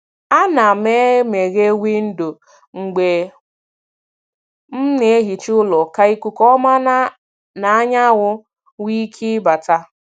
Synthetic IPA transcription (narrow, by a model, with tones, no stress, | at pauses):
a˦na˨me˦me˨ɣe˦wʷi˦n̩˦do˨ | ŋ̩˨ɡ͡be˨ | m̩˦ne˨e˦ɦi˨t͡ʃʊ˦lɔ˨ka˦i˦kʷu˦kɔ˦ma˦na˦ | na˨a˦ɲa˦wʊ˦ | wi˦kʰi˦ba˨ta˦